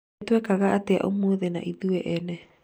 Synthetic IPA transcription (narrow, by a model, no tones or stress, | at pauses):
twɛkaɣaʔatea̰ʔomoːðena̰ʔiðuɛʔɛnɛ